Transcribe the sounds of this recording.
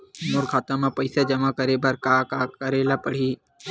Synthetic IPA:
mʊɾkʰaːt̪ãmãpəɪsed͡ʒɐmakəɾeːbəɾkaːkaːkəɾeːlapəɽ̤iː

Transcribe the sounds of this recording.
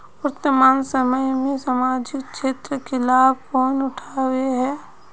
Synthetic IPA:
ʊɾt̪ːəmaːnsəməjmẽsəmaːd͡ʒɪkʃʰeːt̪ɾəkelaːb̚ʱkɔːnʊʈʰaːweɦɛː

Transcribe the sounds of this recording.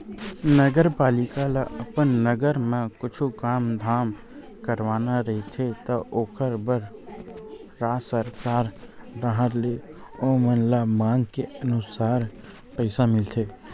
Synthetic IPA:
nəɡəɾpaːlɪkalaʔəpənːəɡəɾmẽkʊt͡ʃʰukaːmd̪ʱaːm | kəɾʋaːnaɾɐɦit̪ʰet̪əʔoːkʰəɾbəɾ | ɾaːsəɾkaːɾd̪aɦəɾle | omənlamãːŋɡkeənʊsaːɾ | pəɪsamɪlt̪ʰeː

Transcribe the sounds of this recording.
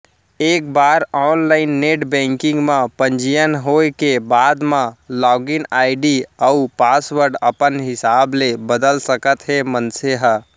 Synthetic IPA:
eːk̚baːɾɔːnlaːɪnːeːʈbɛ̃ːŋkɪ̃ŋɡmãpə̃ɲd͡ʒijənɦoːekebaːd̪mãlɔːɡɪnaːɪɖiəupaːswəɾɖəpənɦɪsaːblebəd̪əlsəkət̪ɦemənseɦə

